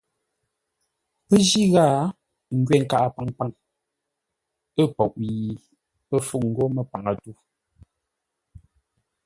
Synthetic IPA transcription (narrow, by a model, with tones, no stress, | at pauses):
pə˦d͡ʒi˦ɣa˦ | ŋ̩˦ɡɥɛ˨ŋ̩˨ka˦˨ʔa˦˨pa˨ŋpa˦˨ŋ | ə˦˨pɔ˨ʔji˨ | pə˦fu˦˨k̚ŋ̩˨ɡo˦mə˨pa˨ŋa˨tu˦